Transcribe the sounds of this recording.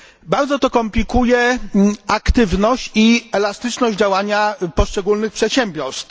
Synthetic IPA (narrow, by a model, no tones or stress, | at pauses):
baɾd̪zɔt̪ɔkɔmplʲikujɛ | akt̪ɘvnɔɕt͡ɕiɛlast̪ɘt͡ʂnɔʑd͡ʑd͡ʑawaɲapɔʂt͡ʂɛɡulnɘxpʂɛt̪ɕɛmbʲjɔɾst̪